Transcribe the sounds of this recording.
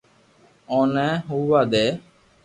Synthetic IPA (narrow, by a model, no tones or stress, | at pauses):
õːnɛːɦuːʋaːd̪eː